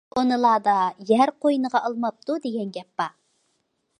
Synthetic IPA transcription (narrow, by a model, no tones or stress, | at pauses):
onɨlˠɑːd̪ɑjæɾqʰojnəʁɑɑlˠmɑp̚t̪ud̪eɡʲɛnɡʲɛpːɑ